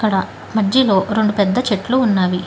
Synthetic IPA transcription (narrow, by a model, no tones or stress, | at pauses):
kːɐɽɐ | mɐd͡ʒːilo̞ːɾe̞ɳɖupɛd̪ːɐt͡ʃe̞ʈluːnːaːʋi